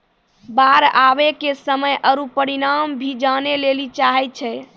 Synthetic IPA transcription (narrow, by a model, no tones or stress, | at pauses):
baɾabekesəməjʔəɾupəɾiɾambʱid͡ʒanelelit͡ʃaɦɛt͡ʃʰɛ